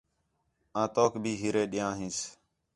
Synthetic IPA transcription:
ãːt̪oːkbʱiːɦiːɾeːɗɪjãːɦĩːs

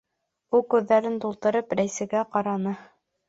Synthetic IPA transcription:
ulˠkʉðːæɾɘnt̪ulˠt̪ɤ̆ɾɤpɾæjsæ̆ɡæqɑɾɑnɤ

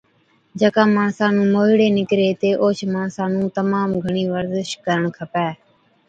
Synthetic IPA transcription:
d͡ʒəkãːmaːɳsãːnũːmoːɦɪɽeːnɪkɾeːt̪eːʔoːt͡ʃʰmaːɳsãːnũːt̪əmaːmɡʱəɳiːʋəɾzɪʃkəɾəɳkʰəpɛː

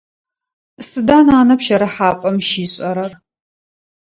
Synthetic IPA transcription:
sɨdaːnaːnɐpʃɐɾɨħaːpʼɐmʃiːɕʼɐɾɐr

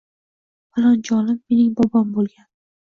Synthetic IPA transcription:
palˠand͡ʒɒlɪmːe̞nɪŋbɒbɒmbolˠɡʲan

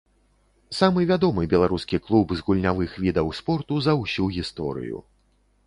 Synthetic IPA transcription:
samɨvʲad̪ɔmɨbʲɛlˠaɾuskʲiklˠubzɣulʲnʲavɨxvʲid̪ɐwspɔrt̪uzɐwsʲuɣʲist̪ɔ̰ɾɨ̰jṵ

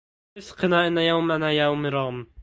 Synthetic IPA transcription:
ɪsqɨnaːʔɪnːajawmanajaʊmɪɾˤɑɣm

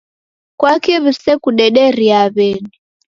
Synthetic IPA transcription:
kwakiβisɛkuɗɛɗɛɾiaβɛni

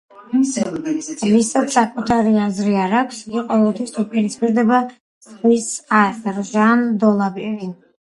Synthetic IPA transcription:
visat̪sakʼut̪ʰaɾiazɾiaɾakʰsɡiqʼɔvɛlˠt̪ʰwisupʼiɾispʼiɾd̪ɛba | sχwisasɾʒand̪ɔlˠabivin

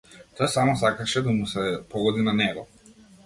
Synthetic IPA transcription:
t̪oɛsamɔsakaʃɛd̪amusɛpɔɡɔd̪inanɛɡɔ

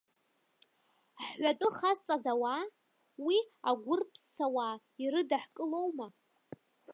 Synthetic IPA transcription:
ħɥʷatʼɨχast͡sʼazawa | wiaɡʷʊrpʰsːawa | iɾɨdaħkʼɨlowma

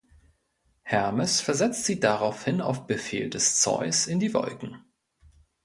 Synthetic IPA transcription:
hɛɐməsfɛɐzɛt͡stz̥iːdaʁaʊfhɪna̰ʊfb̥əfḛːldɛst͡sɔ̰ʏsɪndiːvɔ̰lkŋ̩

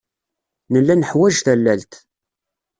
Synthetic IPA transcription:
nəlːænəħwæʒθælːælt̪

